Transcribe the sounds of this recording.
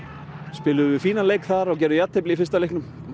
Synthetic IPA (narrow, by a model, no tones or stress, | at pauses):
spɪːlʏvɪfiːnaleːjkθaɾɔɣcɛːɾðʏjat̪hejplɪifɪ̥rst̪alehknʏm